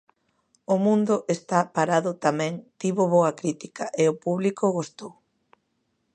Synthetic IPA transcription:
ʊmũnd̪ʊʔest̪apaɾaðʊt̪amɛ̃ŋt̪iβʊβoɐkɾit̪ikaʔeopuβlikoɣost̪ow

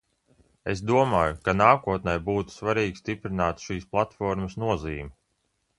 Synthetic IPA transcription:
ḛs̬d̪uɔmaːjukanaːkuɔt̪̚nɛjbuːt̪u̥svaɾiːɡʲst̪ipɾɪnaːt̪ʃiːsplˠat̪fɔɾmɐsnuɔziːmi

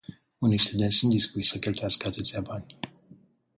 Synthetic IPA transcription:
unejst̪ud̪enʲsunt̪d̪ispuʃsəkʲelt̪ujaskəat̪ɨt̪sʲjabanʲ

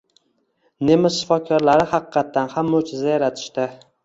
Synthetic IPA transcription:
ne̞mɪʃɪfɒkʲʰɒɾlaɾɪhɑqɨqʰːɑt̪ʰːanhamːot͡ʃʰɪzajaɾat̪ʰɪ̥ʃt̪ɪ

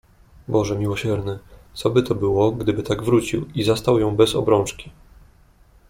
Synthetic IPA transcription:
bɔʐɛmʲiwɔɕɛɾnɘt̪sɔbɘt̪ɔbɘwɔɡd̪ɘbɘt̪aɡvɾut͡ɕḭwizast̪awjɔ̃w̃bɛzɔ̰bɾɔ̃ñt͡ʂkʲi̥

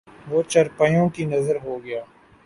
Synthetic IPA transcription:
ʋoːt͡ʃɐɾpəjõkinɐzəɾɦoɡɐjaː

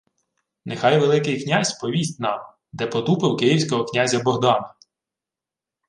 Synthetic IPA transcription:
nexɑjʋelˠɪkɪjknʲasʲpɔʋʲisʲtʲnɑm | d̪ɛpɔt̪upɪwkɪjiwsʲkɔɦɔknʲazʲɐbɔɦd̪ɑnɐ

